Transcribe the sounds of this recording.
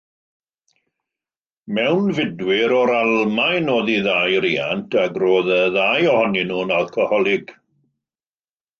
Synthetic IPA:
mɛwnvɪdwɪɾɔɾalˠmajnoːðiðajɾiːantʰaɡroːðəðajɔhɔninuːnalˠkʰəhɔlˠɪɡ̥

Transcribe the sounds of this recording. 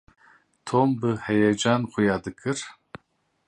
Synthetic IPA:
t̪ʰombɨhɛjɛd͡ʒanχʷujad̪ɨkʰʼɨr

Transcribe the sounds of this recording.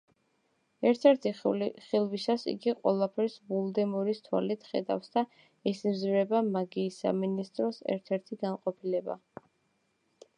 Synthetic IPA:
ɛɾt̪ʰɛɾt̪ʰiχilˠwisasḭɡiqʼwɛ̰lˠapʰɛɾsbulˠd̪ɛmɔɾist̪ʰwa̰lit̪ʰχɛ̰d̪a̰fsd̪a | ɛsimzvɾɛbamaɡiːsa̰minist̪ʼɾɔsɛ̰ɾt̪ʰɛɾt̪ʰiɡanqʼɔpʰilɛba̰

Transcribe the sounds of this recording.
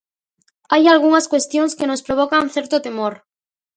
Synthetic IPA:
ajalɣuŋaskwest̪joŋskenospɾoβ̞okaŋθɛɾt̪ot̪emoɾ

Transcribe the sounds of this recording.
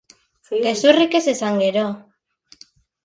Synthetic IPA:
ɡe̞surike̞sesaŋɡe̞ɾo̞

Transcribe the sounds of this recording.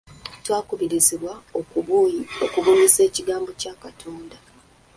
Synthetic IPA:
twaːkuβiɾiziβwao | okuβunise̞ːciɡaːmbo̞caːkatʰo̞ːnda

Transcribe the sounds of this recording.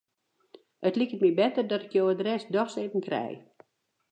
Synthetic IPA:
ətlikətmibɛtərdɔtɪ̥kjoːədrɛsdɔxsetən̩krɛ̰j

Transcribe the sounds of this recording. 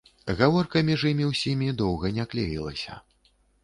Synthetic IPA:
ɣavɔrkɐmʲiʐɨmʲiwsʲimʲid̪ɔwɣɐnʲaklʲḛjilˠɐ̰sʲɐ̰

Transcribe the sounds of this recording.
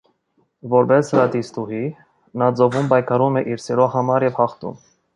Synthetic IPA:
vɔɾbɛsɾɑd̪ist̪uhi | nɑd͡zɔvumpɑjkʰɑɾumɛʔiɾsɛɾɔɦɑmɑɾjɛvhɑχt̪ṵm

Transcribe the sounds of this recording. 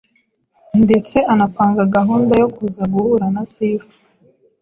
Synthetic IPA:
nde̞t͡se̞anapaːŋɡaɡaɦuːndajo̞kuzaɡuhuɾanasifu̥

